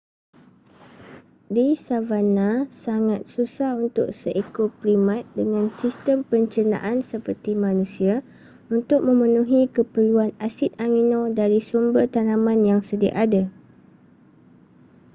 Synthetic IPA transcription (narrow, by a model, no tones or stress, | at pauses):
disavanasaŋat̪̚susahunt̪ʊ̰k̚səʔekopɾimãt̪̚dəŋãnsist̪əmpəɲt͡ʃənã̰ʔansəpərt̪imãnũsia | unt̪ʊk̚mə̃mənũɦikəpəluanasɪt̪̚amĩnõdaɾisumbərt̪anãmãnjaŋsədia̰ʔada